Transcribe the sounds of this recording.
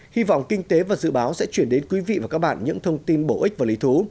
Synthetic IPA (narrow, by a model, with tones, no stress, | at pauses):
hi˧vɔ̰˧˨wŋ͡mkï˧ŋ̟t̪e˨˦vaː˨˩zɨ̰˧˨ɓaː˨˦wsɛ̰˧˥t͡ɕwi˧˩ənɗe˨˦nkwi˨˦vḭ˧˨vaː˨˩kaː˦˥k̚ɓa̰ː˧˨nɲɨ̰˧˥ŋt̪ʰə˧wŋ͡mt̪i˧nɓo˧˩ʔï˦˥k̚vaː˨˩li˨˦t̪ʰu˨˦